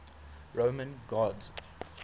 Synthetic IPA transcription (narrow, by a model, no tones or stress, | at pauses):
ɹoʊmə̃nɡɔdz